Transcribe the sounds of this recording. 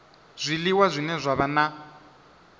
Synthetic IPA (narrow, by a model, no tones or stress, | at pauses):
z̥ʷiliwazʷinɛzʷaβana